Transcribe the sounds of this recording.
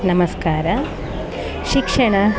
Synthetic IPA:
nɐmɐskaːɾɐ | ʃikʂɐɳɐ

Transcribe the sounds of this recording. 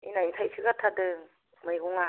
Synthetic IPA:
inajtʰajsʰɯɡatʰadɯ | mɯjɡɔŋa

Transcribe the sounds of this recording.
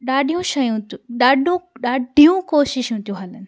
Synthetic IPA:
ɗaːɗʱijũʃɐjũtɗaːɗʱũɗaːɖʱijũkoːʃɪʃũt̪ʰijũɦɐlənɪ̆

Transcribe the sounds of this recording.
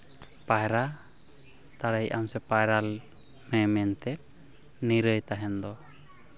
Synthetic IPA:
pajɾa | t̪aɽajʔamsɛpajɾal | mɛmɛnt̪ɛt̪̚ | niɾəjt̪aɦɛnd̪ɔ

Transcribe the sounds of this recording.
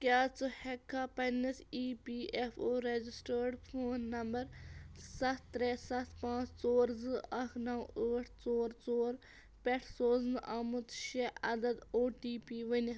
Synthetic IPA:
kʲjaːt͡sɨhɛkʰːaːpɐnɐsiːpiːʔefʰoːɾed͡ʒisʈəːɾɖpʰoːnːɐmbɐɾsɐt̪ʰːɾeːsɐt̪ʰpãːt͡sʰt͡soːɾzɨʔɐkʰnɐwəːʈʰt͡soːɾt͡soːɾ | pʲɛʈʰsoːznɨʔamɨt̪ʃeɐd̪ɐd̪oːʈiːpiːʋɐni

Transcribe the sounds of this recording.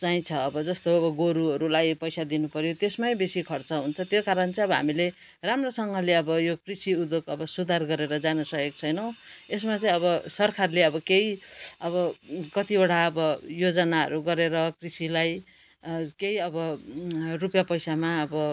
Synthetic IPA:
t͡saĩt͡sʰʌːbʌd͡zʌst̪oʌbʌɡoɾuɦʌɾulajpʌjsad̪inupʌɾjot̪esmajbesikʰʌrt͡sʌɦunt͡sʰʌt̪jokaɾʌnt͡sʌĩʌbʌɦa̰mile | ramrosʌŋɡʌleʌbʌjokrisiud̪okʌbʌsud̪ʱarɡʌɾeɾʌd͡zanusʌek̚t͡sʰʌjnʌw̃esmat͡sʌĩʌβʌsʌrkʰarleʌbʌkeiʌbʌkʌt̪ioʈʰaʌbʌjod͡zʌnaɦʌ̰ɾuɡʌɾeɾʌkrisilaj | keiʌbʌ | rupjapʌjsamaʌbʌ

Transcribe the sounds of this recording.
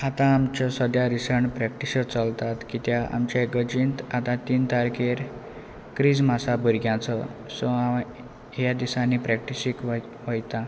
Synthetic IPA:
at̪ãːmt͡ɕɔsəd̪jaɾisəɳpɾɛkʈiɕət͡səlt̪at̪kit̪jaʔa̰mt͡ɕaeɡəd͡ʑint̪at̪ãt̪iːnt̪aɾkeɾ | kɾid͡zmasabəɾɡjãt͡səsɔa | ɦjad̪isãnipɾɛkʈisikʋ | ʋəjt̪ã

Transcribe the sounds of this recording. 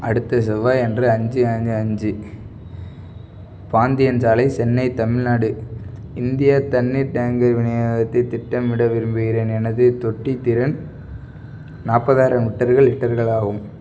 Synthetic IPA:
ɐɽɯt̪ːɐsɐʋaːɛndrɯɐɲd͡ʒɯɐɲd͡ʒɐɲd͡ʒɯ | paːnd̪ɪjɐnsaːlɐɪt͡ʃɛnːɐɪt̪ɐmɪɻnaːɽɯɪnd̪ɪjat̪ɐnːiɾɖaːŋɡɐɾʋɪɳɐjaːɣɐt̪ːɐɪt̪ːɪʈːɐmʋɪɽɐʋɪɾɯmbɯɣɪɾeːnɛnɐðɯt̪ɔʈːit̪ɪɾɐn | naːpːɐðaːɾɐmɪʈːɐɾɣɐɭɪʈːɐɾɣɐɭaːɣɯm

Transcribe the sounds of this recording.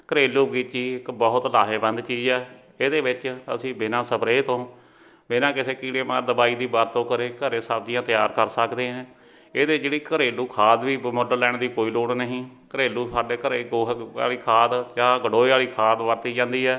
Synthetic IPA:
kəɾeːluːɡiːt͡ʃiːɪkbəɦʊt̪laːɦeːbə̃nd̪t͡ʃiːd͡ʒɛː | eːd̪eːʋɪt͡ʃə̰sĩːbɪnãːsəbɾeːt̪õː | bɪnãːkɪseːkiːɽeːma̰ːɾd̪əbaːiːd̪iːbaːɾt̪õːkəɾeːkəɾeːsaːb̚d͡ʒijãːt̪ɪjaːɾkəɾsəkd̪eːɦɛ̃ː | eːd̪eːd͡ʒeːɽiːkəɾeːluːkʰaːd̪ʋiːmʊɖəɾlɛːɳd̪iːkoːiːloːɽnəɦĩːkəɾeːluːsaːɖeːkəɾeːɡoːa̰ːliːkʰaːd̪d͡ʒãːɡəɽoːaːliːkʰaːd̪ʋəɾt̪iːd͡ʒãːnd̪iːɛː

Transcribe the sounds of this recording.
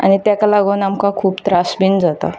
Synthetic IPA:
a̰ñit̪jakalaɡonamkakʰuːpt̪ɾasbind͡zat̪a̰

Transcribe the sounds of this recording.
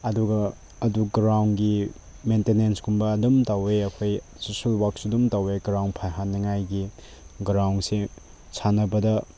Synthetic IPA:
ɐduɡɐ | ɐduɡɾawnɡi | mentenensɡumbɐːdumtaweɐkʰoj | susulwak̚sudumtaweɡɾawnpʰajɦanːiŋajɡi | ɡɾawnse | sʰanɐbɐdɐ

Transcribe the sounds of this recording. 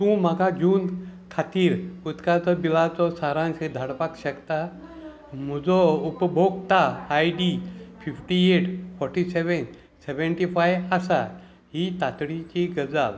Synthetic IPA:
t̪ũːmaɡad͡ʑuːnd̪kʰat̪iːɾut̪kat͡sɔbilat͡sɔsaɾãsed̪ʱaɽpakɕəkt̪a | m̤ud͡zɔupbʱoɡt̪aːjɖifʰifʈieʈfʰɔɾʈiseʋen | seʋeɳʈifʰajasa | ɦit̪at̪ɽit͡ɕiɡəd͡zaʋ

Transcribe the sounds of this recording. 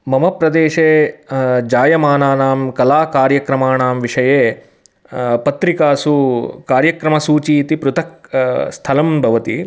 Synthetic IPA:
mɐmɐpɾɐd̪eːʂeː | d͡ʒaːjɐmaːnaːnaːmkɐlaːkaːɾjɐkɾɐmaːnaːmʋiʂɐjeː | pɐt̪ɾikaːsukaːɾjɐkɾɐmɐsuːt͡ʃiːt̪ipɾut̪ʰɐk̚st̪ʰɐlɐmbʱɐʋɐt̪i

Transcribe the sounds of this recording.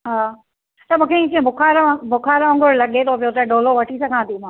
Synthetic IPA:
ɦaː | t̪ɐmũːkʰeĩt͡ɕiẽbʱʊkʰaːɾbʱʊkʰaːɾɐ̃ŋɡʊɾlɐɠet̪ʰop̬ijot̪ɐɗoːloʋɐʈʰisɐɡʱãːt̪im̤ãː

